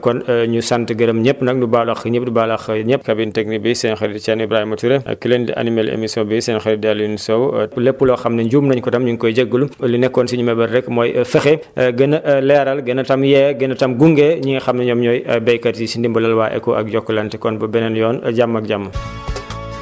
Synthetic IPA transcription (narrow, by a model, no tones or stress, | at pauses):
kɔnɲusantəɡɐɾɐmɲɛpːnɐk̚dubalɐxɲɛp̚dubaːlɐxɲɛpːkɐbintɛk̚nibisɛnxɐɾidt͡ʃɛnibɾaːhimɐtuɾɛ̰kilendḭʔɐ̰nimɐlḛmisɔbisɛːnxɐɾidɛlimisɔwlɛpːulɔxɐmnɐɲɟuːmnɐɲkɔtɐmɲuɲkɔjɟɐɡːəlulinɛkːɔnsiɲumɛbɐɾrɛkːmɔːjfɐxɛɡɐnɐʔlɛɾɐlɡɐnɐtɐmjɛːɡɐnɐtɐmɡuŋɡɛɲiŋɐxɐmnɐɲɔmɲɔːjɐbɛjkɐɾisindimbɐlɐlwaːʔɛ̰kːɔʔɐ̰k̚jɔkːɐlɐntɛkɔnbɐbɛnɛnjɔːnɟamːɐk̚ɟamːɐ